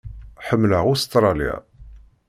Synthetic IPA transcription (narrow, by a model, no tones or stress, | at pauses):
ħəmːləʁust̪ɾˤɑlja̰